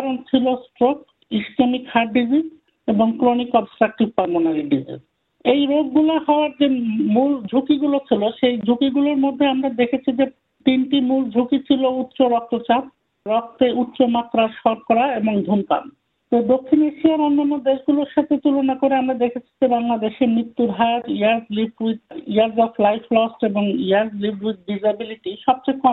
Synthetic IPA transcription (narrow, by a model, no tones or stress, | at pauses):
aɾont͡ɕʰilosʈɾok̚ | isʈamikhaɾɖiziz | eboŋkɾonikɔbsʈɾak̚ʈibpand̪onaliɖizḭz | ejɾoɡːulaɦɔoaɾd͡ʑemuld͡ʑʱukiɡulot͡ɕʰiloʃejd͡ʑʱukiɡuloɾmod̪ʱːeamɾad̪ekʰet͡ɕʰid͡ʑe | t̪inʈimuld͡ʑʱukit͡ɕʰilout̪ːɕoɾɔk̚t̪ot͡ɕat̪̚ | ɾɔk̚t̪eut̪ːɕomat̪ːɾaɾʃɔɾkɔɾaeboŋd̪ʱunpa̰n | t̪od̪okʰːineʃiaɾɔnːanːod̪eʃɡuloɾʃat̪ʰet̪ulonakoɾeamɾad̪ekʰet͡ɕʰi̥d͡ʑebaŋlad̪eʃemɾit̪ːuɾɦajoɾiaɾdlibiiaɾzɔflajflɔsʈeboŋiaɾzlibiʈ̚ɖid͡ʑabiliʈiʃɔb̚t͡ɕakɔ